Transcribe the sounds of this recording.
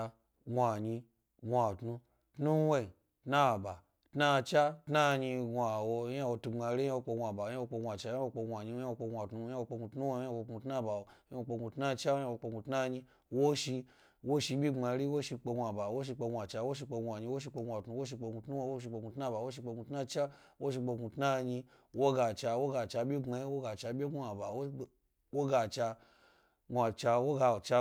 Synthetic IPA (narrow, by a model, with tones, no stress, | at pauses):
wʷa˨ɲi˧ | wʷa˨tnu˧ | tnu˦we˦i˨ | tna˦˨ba˨ | tna˦˧t͡ʃa˦tna˦ɲi˧a˨wo˧˦ja˦˧wo˧tu˧ŋ͡ma˧ɾi˦a˦wo˧k͡pe˧wa˨ba˨˦a˦o˧k͡pwʷa˨t͡ʃa˧˦a˦wo˧k͡pe˧a˨ɲi˧˦a˦wo˧k͡pe˧wʷa˨tnu˧˦ja˦˧wo˧k͡pe˧ɡʷu˧tnu˦we˧˦a˦wo˧u˧tna˦˨ba˨wo˧˦a˦o˧k͡pe˧ɡʷu˧tna˦t͡ʃa˦wo˦ja˦˧wo˧k͡pe˧ɡʷu˧tna˦ɲi˧ | wo˦ʃi˧ | wo˦ʃi˧bʲi˦a˧˦ɾi˦wo˦ʃi˧k͡pe˧ɡʷa˨ba˨wo˦ʃ̬i˧k͡pe˧ŋʷ˧a˨t͡ʃa˧wo˦ʃ̬i˧k͡pe˧ŋʷ˧a˨ɲi˧wo˦ʃ̬i˧k͡pe˧ɡʷa˨tnu˧wo˦ʃ̬i˧k͡pe˧ɡu˧tnu˦wo˧˦o˦ʃ̬i˧k͡pe˧ɡu˧tna˦ba˨wo˦ʃ̬i˧k͡pe˧ɡu˧tna˦˧t͡ʃa˦wo˦ʃ̬i˧k͡pe˧ɡu˧tna˦ɲi˧ | wo˦ɡa˧t͡ʃa˧wo˦ɡa˧˨t͡ʃa˧bʲi˦ŋ͡ma˧i˦wo˦ɡa˧˨t͡ʃa˧bʲe˦u˦a˨ba˨wo˦˨ | wo˦ɡa˧˨t͡ʃa˧ | ɡʷa˨t͡ʃa˧wo˦ɡa˧˨t͡ʃa˧